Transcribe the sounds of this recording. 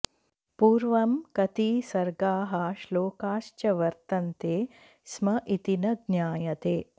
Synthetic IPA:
puːɾʋɐmkɐt̪iːsɐɾɡaːɦɐʃloːkaːʃt͡ʃɐʋɐɾt̪ɐnt̪eː | smɐʔit̪inɐd̪njaːjɐt̪eː

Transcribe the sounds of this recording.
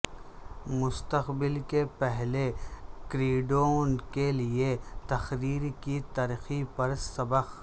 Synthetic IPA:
mʊst̪əqbɪlkepɛɦlekɾiːɖonkeliet̪ɐxɾiːɾkit̪ɐɾxipɐɾsɐbəq

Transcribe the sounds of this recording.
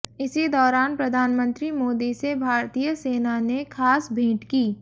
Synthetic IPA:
ɪsid̪ɔːɾaːnpɾɐd̪ʱaːnmə̃nt̪ɾimoːd̪isebʱaːɾt̪ijəseːnanekʰaːsbʱĩːʈkiː

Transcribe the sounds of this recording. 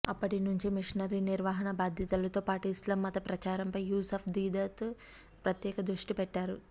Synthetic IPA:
ɐpːɐʈinuɲt͡ʃimiʂnɐɾiniɾʋaːɦɐɳɐbaːd̪ʱjɐt̪ɐlɐt̪oːpaːʈislɐmːɐt̪ɐpɾɐt͡ʃaːɾɐmpɐjjuːsɐːpʰd̪iːd̪ɐt̪ | pɾɐt̪jɛːkɐd̪ɾuʂʈipɛʈːaːɾu

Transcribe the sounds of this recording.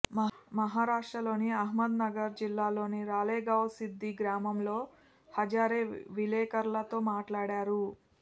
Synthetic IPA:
mɐɦaːɾaːʂʈɾɐlo̞ːniɐɦmɐd̪nɐɡɐɾd͡ʒilːaːlo̞ːniɾaːleːɡɐwsid̪ʱːiɡɾaːmɐmlo̞ː | hɐd͡ʒaːɾeːʋilɛːkɐɾlɐt̪o̞ːmaːʈlaːɽaːɾu

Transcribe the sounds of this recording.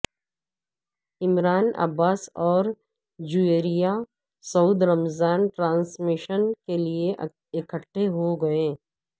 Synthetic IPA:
ɪmɾaːnɐ̰baːsɔːɾ | d͡ʒueːɾija | sɐuːd̪ɾɐmzaːnʈɾãːnsmɪʃənkelie | ɪkəʈʰːeɦoɡɐeː

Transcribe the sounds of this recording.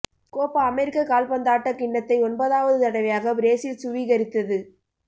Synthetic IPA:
koːpːɐɐmɛɾɪkːɐkaːlpɐnd̪aːʈːɐkɪɳːɐt̪ːɐɪɔnbɐðaːʋɐðɯt̪ɐɽɐʋɪjaːɣɐbɾeːsɪlsʊʋiɣɐɾɪt̪ːɐðɯ

